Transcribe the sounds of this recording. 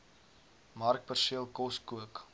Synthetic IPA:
mɐrkpərsiəlˠkɔskuək

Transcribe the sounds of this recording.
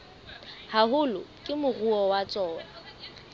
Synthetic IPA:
haɦʊlʊkʼɪmʊruɔwat͡sʼɔːwa

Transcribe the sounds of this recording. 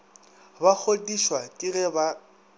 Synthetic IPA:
bak͡xʰodiʃwatʼirɛba

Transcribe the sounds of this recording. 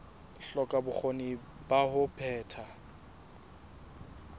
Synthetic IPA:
ɬɔkʼabʊk͡xoni | bahʊpʰɛːtʰa

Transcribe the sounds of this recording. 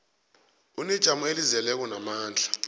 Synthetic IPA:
unid̥ʒ̥ʱamuelizɛlɛk̬ɔnamaːnd͡ɮʱa

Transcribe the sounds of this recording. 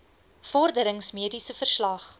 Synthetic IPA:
fɔrdəɾəŋsmiədisəfərslɐχ

